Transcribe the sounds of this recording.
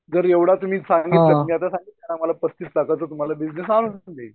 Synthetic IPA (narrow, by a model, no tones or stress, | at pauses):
d͡zəɾjeʋɽat̪um̤iːsãŋɡit̪lat̪umiːat̪asãŋɡiːt̪ːanaməlapəst̪iːt͡slakat͡səːt̪um̤alabid͡znesanunnd̪e